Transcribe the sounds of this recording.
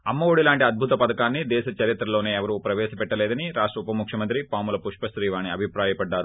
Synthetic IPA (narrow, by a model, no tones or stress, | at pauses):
ɐmːɐʋoːɽilaːɳʈiɐd̪̚bʱut̪ɐpɐd̪ɐkaːnːid̪ɛːʃɐt͡ʃɐɾit̪ɾɐlo̞ːneːɛʋɐɾupɾɐʋɛːʃɐpɛʈːɐlɛːd̪ɐniɾaːʂʈɾɐupɐmukʰʂjɐmɐnt̪ɾipaːmulɐpuʂpɐsɾiːʋaːniɐbʱipɾaːjɐpɐɖːaːɾu